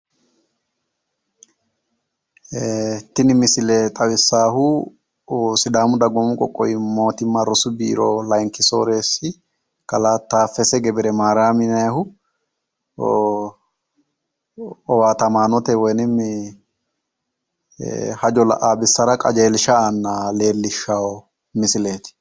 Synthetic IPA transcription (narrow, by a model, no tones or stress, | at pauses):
t̪ːɪnɪmɪsɪlɛt̪ʼɐwɪsːaːhʊ | sɪd̪aːmʊd̪ɐɡɔmʊkʼɔ̰kʼːɔ̰jɪmo̞ːt̪ɪmːɐɾʊsʊbḭːɾoːlɐjŋkɪso̰ːɾeːsɪ | kʼɐlaːt̪ːaːfːɛsɛɡɛbɪɾɛmaːɾaːmɪnɐjhʊ | ɔwaːt̪ɐmaːnɔt̪ɛwɔjnɪmɪ | hɐd͡ʒɔlɐ̰ʔaːbɪsːɐɾɐkʼɐd͡ʒe̞ːlɪʃɐanːale̞ːlːɪʃːawɔ | mɪsɪle̞ːt̪ɪ̥